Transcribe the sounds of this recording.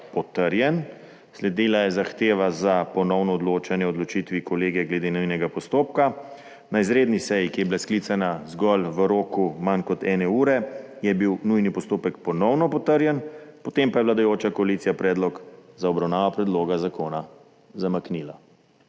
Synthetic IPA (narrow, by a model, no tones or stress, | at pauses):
pɔt̪əɾjɛn | slɛd̪iːlajɛzaxt̪eːʋazapɔnɔwnɔːd̪loːt͡ʃɛnjɛɔd̪lɔt͡ʃit̪ʋikɔleːɡɛɡlɛd̪eːnujnɛɡapɔst̪oːp̚ka | naizɾeːd̪nisɛjikijɛbilaskliːt̪sanazɡɔlʋəɾoːkumankɔt̪ɛːnɛuːɾɛ | jɛbiwnujnipɔst̪oːpɛk̚pɔnɔwnɔpɔt̪əɾjɛnpɔt̪empajɛblad̪ajoːt͡ʃakɔaliːt̪sijapɾɛːd̪lɔkzaɔbɾawnaːʋapɾɛd̪loːɡazakoːna | zamakniːla